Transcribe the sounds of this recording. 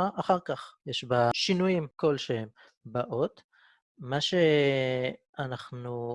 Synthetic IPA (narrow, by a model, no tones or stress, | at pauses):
aʔaχaʁkaχjeʃbaʃinujimko̞lʃehem | baʔo̞t̪ | maʃe̞ | anaχnu